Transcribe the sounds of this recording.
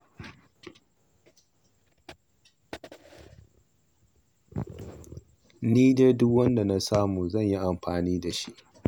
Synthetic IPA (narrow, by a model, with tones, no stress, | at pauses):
niː˦de˦dʊ˦kwɐ˦nda˨na˦saː˦muː˨zɐ˦˨ɲji˦ʔa˨mɸaː˨niː˦da˨ʃi˦ʔ